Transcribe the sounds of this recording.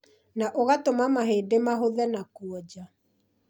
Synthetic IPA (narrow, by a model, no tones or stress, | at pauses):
naʔoɣatomamaɦeːdemaɦoðɛnakuɔd͡ʑa